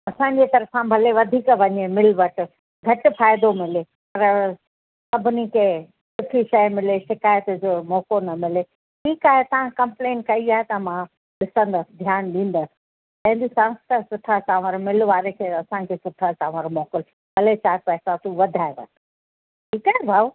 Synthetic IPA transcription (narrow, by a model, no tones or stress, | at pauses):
ɐsãːɲd͡ʑet̪ɐɾfãbʱɐleʋɐd̪ʱiːkʋɐɲemɪlʋɐʈ̆ | ɡʱɐʈʊ̆faːɪd̪omɪlepɐɾ | sɐbʱnikʰeː | sʊʈʰiʃɐjmɪleʃɪkaːjət̪d͡ʑoːmɔːkonɐmɪle | ʈʰiːkaːɦet̪ɐʋãkɐ̃mplẽːnkɐiaːɦet̪ɐmã | ɗɪsə̃nd̪əsd̪ʱjaːnɗĩːn̆d̪as | t̪ɐ̃ɦɪ̃n̆d̪isãst̪asʊʈʰasãːʋəɾmɪlʋaːɾekʰeːɐsãkʰeːsʊʈʰat͡ɕãːʋəɾmɔːkɪl | bʱɐlet͡ɕaːɾpɛɦsãt̪uʋɐd̪ʱaːeʋɐ̰t̪ | ʈʰiːkaːɦebʱaː